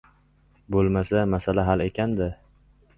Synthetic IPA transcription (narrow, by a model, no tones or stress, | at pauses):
bolˠmasamasalaɦale̞kʲʰand̪ɪ